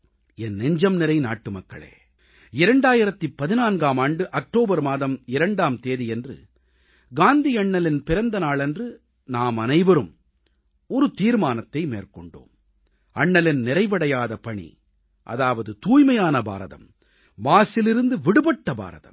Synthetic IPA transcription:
ɛnːɛɲd͡ʒɐmnɪɾɐɪna̰ːʈːɯmɐkːɐ̰ɭḛː | ɪɾɐɳɖaːjɪɾɐt̪ːipːɐðɪnaːnɡaːmaːɳɖɯʔɐk̚ʈoːbɐɾmaːðɐmɪɾɐɳɖaːmt̪eːðijɛndrɯ̰ | ɡaːnd̪ijɐɳːɐlɪnpɪɾɐnd̪ɐnaːɭɛndrɯ | naːmɐnɐɪʋɐɾɯm | ɔɾɯt̪iːɾmaːnɐt̪ːɐɪmḛːrkɔɳɖo̰ːm | ɐɳːɐlɪnnɪɾɐɪʋɐɽɐjaːðɐpɐɳḭ | ʔɐ̰ðaːʋɐðɯt̪uːjmɐjaːnɐba̰ːɾɐðɐ̰mː | aːsɪlɪɾɯnd̪ɯʋɪɽɯbɐʈːɐba̰ːɾɐðɐ̰m

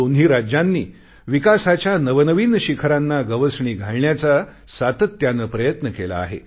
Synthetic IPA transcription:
onɦiːɾad͡ʑjanːiː | ʋikasat͡ɕjanəʋənəʋiːnɕikʰəɾanːaɡəʋəsɳiːɡʱaɭɳjat͡sasat̪ət̪janəpɾəjət̪nəkela̰ːɦḛ

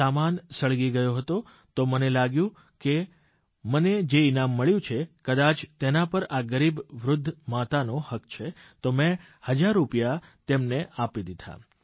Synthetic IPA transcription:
amansəɭɡiɡəjoɦət̪o | t̪omənelaɡjũ | ke | məned͡ʒeinamːəɭjũt͡ʃʰekəd̪at͡ʃt̪enapəɾaɡəɾibʋɾʊd̪ʱːmat̪anohəkt͡ʃʰet̪omɛ̃ | həd͡ʒaɾːupjat̪emneʔapid̪id̪ʱa̰

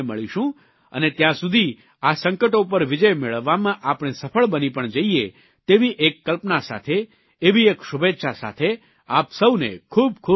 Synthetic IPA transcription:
mə̰ɭiʃũ | ə̰net̪jãsud̪ʱi | asəŋkəʈop̬əɾʋɪd͡ʒəjmeɭəʋːamãʔapɳ̃esəfʰəɭbənipəɳd͡ʒəie | t̪eʋiʔekːəlpnasa̰t̪ʰeː | ʋiekʃubetːʃasa̰t̪ʰe | apsəwnḛkʰub̚kʰu

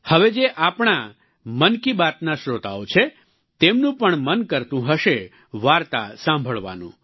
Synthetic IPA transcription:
həʋed͡ʒeʔapɳ̃a | mənkibat̪naʃɾot̪a̰ot͡ʃʰe | t̪emnũpəɳmənkəɾt̪ũɦəʃe | ʋaɾt̪a̰sãmbʱəɭʋa̰nṵ̃

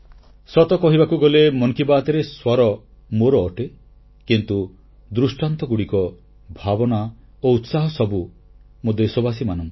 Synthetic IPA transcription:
sɔt̪ɔkɔɦibakuɡɔlemɔŋkibaːt̪eɾeswɔɾɔ | moɾɔːʈe | kint̪u | d̪ɾusʈant̪ɔɡuɽikɔ | bʱabɔna | out̪saɦɔsɔbu | mod̪esobasimanɔŋ

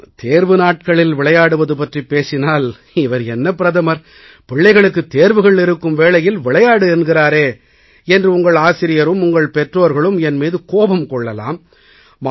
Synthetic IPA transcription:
t̪eːɾʋɯnaːʈ̚kɐɭɪlʋɪɭɐjaːɽɯʋɐðɯpɐʈripːeːsɪnaːl | ɪʋɐɾɛnːɐpːɪɾɐðɐmɐɾ | pɪɭːɐɪɣɐɭɯkːɯt̪ːeːɾʋɯɣɐɭɪɾɯkːɯmʋeːɭɐjɪlʋɪɭɐjaːɽɯɛnɡɪɾaːɾeː | ɛndrɯʊŋɡɐɭaːsɪɾɪjɐɾɯmʊŋɡɐɭpɛʈroːɾɣɐɭɯmɛnmiːðɯkoːbɐmkɔɭːɐla̰ːmː

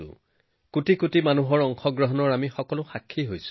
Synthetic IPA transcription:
ʊ̰̃ | kutikutimanuɦɔɹɔŋxɔɡɹɔɦɔnɔɹamixɔkɔlʊxakʰːiɦojs

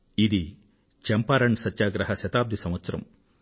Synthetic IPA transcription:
id̪i | t͡ʃɐmpaːɾɐɳsɐt̪ːjaːɡɾɐɦɐʃɐt̪aːb̚d̪ʱisɐmʋɐt̪sɐɾɐ̰m

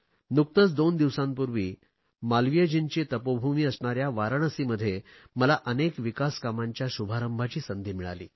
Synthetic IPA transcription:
nuk̚t̪ət͡sd̪ond̪iʋsãmpuɾʋḭː | malʋijəd͡ʑint͡ɕet̪əpobʱumiːəsɳaɾjaʋaɾəɳəsiməd̪ʱːje | məlaʔənekʋikaskamaɲt͡ɕjaɕubʱaɾəmbʱat͡ɕiːsənd̪ʱiːmiɭa̰lḭː

